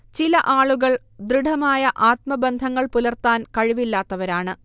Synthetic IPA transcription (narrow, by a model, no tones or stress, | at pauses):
t͡ɕilɐʔaːɭuɣɐɭ | d̪riɽʱɐmaːjɐʔaːt̪̚mɐbend̪ʱɐŋːɐɭpulɐrt̪aːnkɐɻiʋilːaːt̪ːɐʋɐɾaːɳɨ